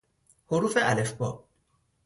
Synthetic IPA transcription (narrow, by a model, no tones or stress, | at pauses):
hoɾufɛʔalɛfbɔ̰